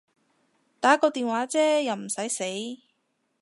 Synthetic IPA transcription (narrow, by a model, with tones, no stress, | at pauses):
t̪aː˨˥kɔː˧t̪iː˨nwaː˨˥t͡sɛː˥jɐ˨˩wm̩˨˩sɐ˨˥jse˨˥j